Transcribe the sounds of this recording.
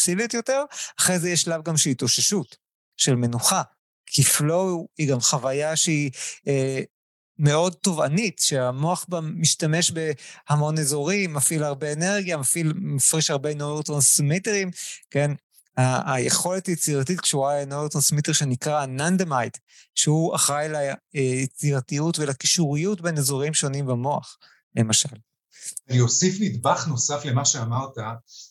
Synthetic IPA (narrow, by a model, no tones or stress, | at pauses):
t͡siletjo̞teʁaχʁejzejeʃlavɡamʃelitoʃeʃut | ʃe̞lme̞nuχa | kʰiflo̞hiɡamχavajaʃeie | me̞o̞d̚to̞va̰nitʃeamoaχbamːiʃtame̞ʃbe̞hamo̞nezo̞ʁimːafilaʁbe̞ːneʁɡjamafilmafʁiʃaʁbenovet̪ʁansmiteʁimke̞n | ajeχo̞letajet͡siʁatitkʃuʁalenoeʁtʁansmiteʁʃenikʁanand̪amajt | ʃeuaχʁajlajet͡siʁatijutvelakiʃuʁijutbenezoʁimʃo̞nimbamo̞a̰χ | le̞maʃal | aniosifmidbaχno̞safle̞maʃeamaʁta